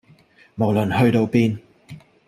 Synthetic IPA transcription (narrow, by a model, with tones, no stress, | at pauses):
mo˨˩wlɵ˨˩nhɵ˧ɥt̪o˧wpiː˧n